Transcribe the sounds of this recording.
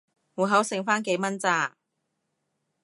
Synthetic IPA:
muː˨˩ɦɐ˨˥wsɪ˨˩ŋfaː˥nke˨˧˥jmɐ˥nt͡saː˧

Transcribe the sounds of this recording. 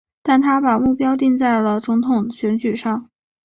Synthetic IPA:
t̪a˥˩nt̪ʰa˥pa˨˩mu˥˩pjɑ˥ʊt̪̬i˥˧ŋt͡sa˥˩ɪlə˩t͡sʊ˧˥ŋt̪ʰʊ˨˩ŋɕɥɛ˧˥nt͡ɕy˨˩ʂɑ˥˩ŋ

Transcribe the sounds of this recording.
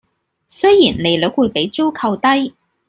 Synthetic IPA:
sɵ˥ɥjiː˨˩nne˨˧jlɵ˨˥k̚wuː˨˧jpe˨˥jt͡so˥wkʰɐ˧wt̪ɐ˥j

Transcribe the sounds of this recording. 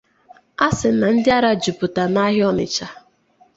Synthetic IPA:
a˦sɪ˨˦na˨n̩˦dɪ˦a˦ɾa˦d͡ʒu˨pʊ˨ta˨na˦ɦɔ˦nɪ̰˨t͡ʃa˦

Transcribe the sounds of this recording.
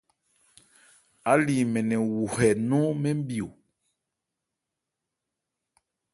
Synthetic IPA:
a˦li˨mɛ˨nɛ˨wu˨hɛ˨nɔ˦mɛ˦m˦bi˨o˨

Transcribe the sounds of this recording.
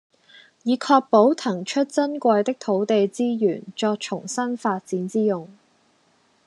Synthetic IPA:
jiː˨˧kʰɔː˧k̚po˨˥wt̪ʰɐ˨˩ŋt͡ʃʰɵ˥t̚t͡sɐ˥nkʷɐ˧jt̪ɪ˥k̚t̪ʰo˨˥wt̪e˨jt͡siː˥jyː˨˩nt͡sɔː˧k̚t͡ʃʰʊ˨˩ŋsɐ˥nfaː˧t̚t͡siː˨˥nt͡siː˥jʊ˨ŋ

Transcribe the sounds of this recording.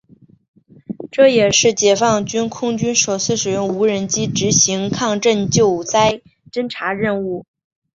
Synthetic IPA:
ʈ͡ʂɤ˥˩jɛ˨˩ʂɻ̩˥˩t͡ɕjɛ˨˩fɑ˥˩ŋt͡ɕy˥nkʰʊ˥ŋt͡ɕy˥nʂo˨˩ʊt͡ssʰɹ̩˥˩ʂɻ̩˨˩ɥə˥˧nu˧˥ɻə˧˥nt͡ɕi˥ʈ͡ʂɻ̩˧˥ɕi˧˥ŋkʰɑ˥˧ŋʈ͡ʂə˥˧nt͡ɕjo˥˩ʊt͡sa˥ɪ | ʈ͡ʂə˥nʈ͡ʂʰa˧˥ɻə˥˧nu˥˩

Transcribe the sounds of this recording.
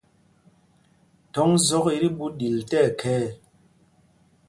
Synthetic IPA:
tɔ˨˦ŋzɔ˦ki˦ɾi˦ɓu˦ɗi˨ltɛ˦˨kʰɛː˦

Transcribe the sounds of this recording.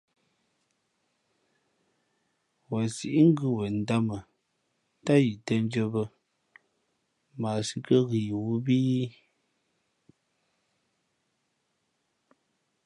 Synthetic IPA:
wa˨si˨ʔi˦ŋ˦ɡɨ˦wə˨n̩˨da˦mə˨ | ta˦ji˨tə˦n˦d͡ʒə˦bə˦ | maː˨si˦kə˦ɣi˨wu˦biː˦

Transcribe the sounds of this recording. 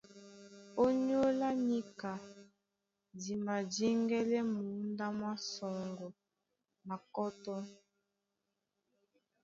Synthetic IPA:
o˦ɲ˦o˦la˦ɲi˦ka˨ | di˨ma˨di˦ŋɡɛ˦lɛ˦mu˨˦nda˦mwa˦sɔ˨ŋɡɔ˨ | na˨kɔ˦tɔ˦

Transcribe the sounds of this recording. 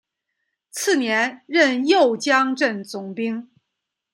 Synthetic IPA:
t͡sʰɹ̩˥˩njɛ˧˥nɻə˥˧njo˥˩ʊt͡ɕjɑ˥ŋʈ͡ʂə˥˩nt͡sʊ˨˩ŋpi˥ŋ

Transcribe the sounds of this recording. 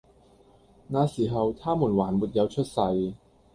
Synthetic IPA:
naː˨˧siː˨˩ɦɐ˨wt̪ʰaː˥muː˨˩nwaː˨˩nmuː˨t̚jɐ˨˧wt͡ʃʰɵ˥t̚sɐ˧j

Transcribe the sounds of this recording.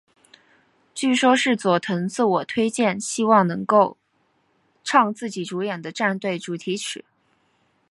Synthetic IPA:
t͡ɕy˥˩ʂwɔ˥ʂɻ̩˥˩t͡swɔ˨˩t̪ʰɤ˧˥ŋt͡sɹ̩˥˩wɔ˨˩t̪ʰwe˥ɪt͡ɕjɛ˥˩nɕi˥wɑ˥˩ŋnɤ˧˥ŋko˥˩˧ʊ | ʈ͡ʂʰɑ˥˧ŋt͡sɹ̩˥˩t͡ɕi˨˩ʈ͡ʂu˧˥jɛ˨˩nd̪ə˦ʈ͡ʂa˥˧nt̪we˥˩ɪʈ͡ʂu˨˩t̪ʰi˧˥ʈ͡ʂʰɻ̩˨˩˦

